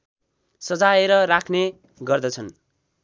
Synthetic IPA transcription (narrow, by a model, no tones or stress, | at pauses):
sʌd͡zaeɾʌrakʰne | ɡʌrd̪ʌt͡sʰʌn